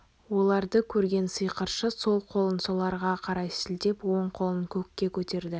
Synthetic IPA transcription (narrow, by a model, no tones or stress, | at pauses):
wo̞lˠɑɾd̪əkʲʰɵɾɡʲe̞nsəjqəɾʃəso̞lˠqʰo̞lˠənsolˠɑɾʁɑqʰɑɾɑjsɪld̪e̞pwo̞ɴqʰo̞lˠənkʲʰɵkʲːe̞kʲʰɵt̪e̞ɾd̪ɪ